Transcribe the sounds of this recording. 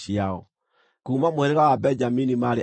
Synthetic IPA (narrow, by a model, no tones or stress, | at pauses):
iaɔ | kuːmamoɛɾɛɣawabɛɲd͡ʒaminimaɾe